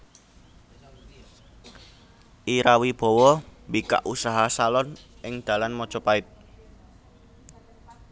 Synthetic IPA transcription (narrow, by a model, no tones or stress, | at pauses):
ʔiɾawib̥ɔ̤wɔmbika̰ʔusaɦasalɔnʔɪŋd̪̥a̤lanmɔ̥ʒ̥ɔ̤paɪt̪̚